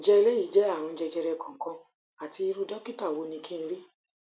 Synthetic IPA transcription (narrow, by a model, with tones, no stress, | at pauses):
d͡ʒɛ˧i˧lɛ˦i˦˨d͡ʒɛ˨˦a˦˨ɾ̃ũ˧d͡ʒɛ˧d͡ʒɛ˧ɾɛ˧kã˨ŋ˨kã˧ | a˨ti˧i˧ɾu˦dɔ˦ki˦ta˦˨wo˨˧˦nĩ˧kʰĩ˦n̩˦ɾi˦